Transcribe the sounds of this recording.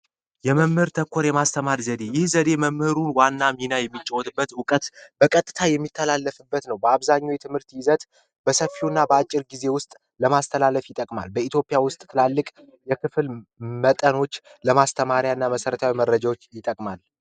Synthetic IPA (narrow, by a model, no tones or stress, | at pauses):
jɛməmhɨɾt̪ʰəkʰːoɾjɛmast̪ʰəmaɾzəd̪e̞jɪhzəd̪e̞məmhɨɾunwanːaminajɛmːit͡ʃʼːəwɔt̪ʼɨbːət̪ʊkʼət̪b̥əkʼət̪ʼːɨt̪ʰajɛmːit̪ʰːəlalːəfɨbːət̪nəwbəaβzaɲːojt̪ʰɨmhɨɾt̪jɪzət̪ | b̥əsəfːiunːabəat͡ʃʼːɪɾɡize̞wʊst̪ʼ | ləmast̪ʰəlaləfjɪt̪ʼəkʼma̰lbəit̪ʰjo̞pʼijawʊst̪ʼt̪ʰɨlalːɨkʼ | jɛkʰɨfɨlmət̪ʼəno̞t͡ʃː | ləmast̪ʰəmaɾjanːaməsəɾət̪ʰawiməɾːəd͡ʒawot͡ʃːjɪt̪ʼəkʼmal